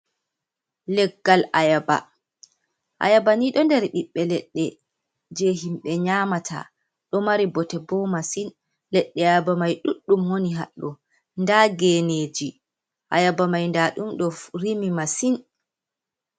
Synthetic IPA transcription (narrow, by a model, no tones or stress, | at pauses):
lɛɡːalʔajaba̰ | ʔa̰jabaniɗɔndɛɾɗiɓːɛlɛɗːɛ | d͡ʒeɦimɓɛɲaːmatʰa̰ | ɗɔmaɾibɔtɛbɔmasin | lɛɗːɛajabamajɗuɗːumwoniɦa̰ɗːɔ | ndaɡened͡ʒi | ʔajabamajndaɗumɗɔɾimimasin